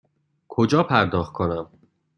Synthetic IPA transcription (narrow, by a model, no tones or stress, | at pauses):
kʰod͡ʒɒːpʰæɾd̪ɒːxt̪̚kʰonæm